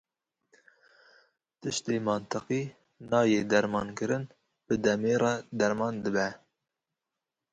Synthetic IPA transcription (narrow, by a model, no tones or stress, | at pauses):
t̪ɨʃt̪eːmɑnt̪ɨqiː | nɑːjeːd̪ɛɾmɑːnkɨɾɨn | b̥ɨd̪ɛmeːrɑd̪ɛɾmɑːnd̪ɨbɛ